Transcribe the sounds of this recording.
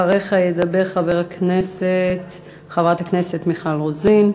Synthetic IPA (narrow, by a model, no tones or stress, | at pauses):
aʁeχajed̪abe̞ʁχaveʁakneset | χavʁathakne̞set̪miχalʁozin